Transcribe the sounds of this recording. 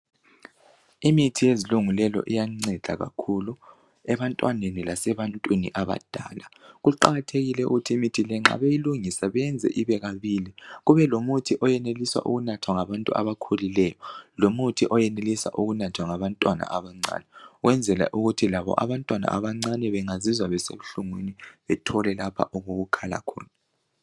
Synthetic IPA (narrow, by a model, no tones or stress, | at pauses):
imitʰijeziluŋulɛlɔ̰ʔijaŋ͡ǀɛd̥ʱaɣa̰kʰulu | ɛβantʼwanenilasɛβantʼwinḭʔaβa̰d̥ʱa̰ːlaɣuǃaɣatʰeɣilɛṵɣutʰiːmitʰilɛŋ͡ǁa̰βejiluŋisaβɛɛnd͡zʱɛ̰ʔiβɛɣaβiliɣuβɛlomutʰiʔɔjɛneliswa̰ʔṵɣunatʰwaŋaβantʼua̰βakʰolilɛjɔlomutʰiʔɔjɛnelisa̰ʔuɣunatʰwaŋaβantʼwana̰ʔaβaŋ͡ǀa̰ːnɛɣwɛnd͡zʱɛla̰ʔuɣutʰilaβɔ̰ʔa̰βantʼwana̰ʔaβaŋ͡ǀanɛβɛŋazizwaβɛsḛβuɬuŋweniβɛtʰɔlɛlapʰa̰ʔuɣoɣukʰala̰kʰɔ̰ːna